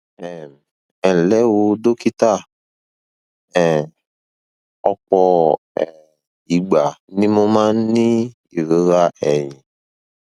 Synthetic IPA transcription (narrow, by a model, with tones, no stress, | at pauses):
ɛ˨ | ɛ˨lɛ˦wo˧do˦ki˦ta˦˨ | ɛ˨ | ɔ˧k͡pɔ˧ | ɛ˨ | i˨ɡ͡ba˨nĩ˦mo˦mã˦ni˦ | i˨ɾe˨˦ɾa˦ɛ˨ɲĩ˨